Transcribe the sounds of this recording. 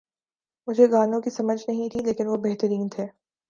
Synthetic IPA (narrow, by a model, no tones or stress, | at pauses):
mʊd͡ʒʱeɡaːnõkisɐməd͡ʒʱnɐɦĩt̪ʰileːkɪnʋobɛɦt̪əɾiːnt̪ʰeː